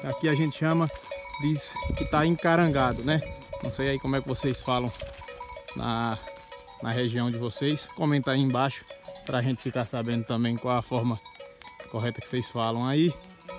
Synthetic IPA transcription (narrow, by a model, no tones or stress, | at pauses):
akiaʒẽnt̪ɪ̥ʃɐ̃mɐd̪iskɪt̪aẽkaɾɐ̃ɡad̪ʊnɛnɐ̃w̃sejaikõmʊɛkɪvosejsfalɐ̃w̃ | nʔɐ̰ | nɐɦeʒiɐ̃w̃d͡ʒɪvosejskõmẽnt̪aiẽbaʃʊ̥pɾɐːʒẽnt̪ɪ̥fikaɾsabẽnd̪ʊt̪ɐ̃mbẽj̃kwawɐfɔɾmɐkoɦɛt̪ɐkɪ̥sejsfalɐ̃w̃ai